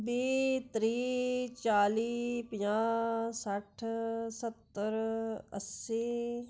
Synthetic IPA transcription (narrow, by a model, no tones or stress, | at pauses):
beːt̪ɾiːt͡ʃaːliːpɪjãːsəʈʰsət̪ːəɾə̰si